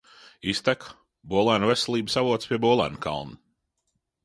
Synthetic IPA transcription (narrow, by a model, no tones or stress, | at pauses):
ist̪æk | buɔlˠæːnuvesɛlˠiːbəsavuɔt̪spʲiɛbuɔlˠæ̰ːnka̰lˠnu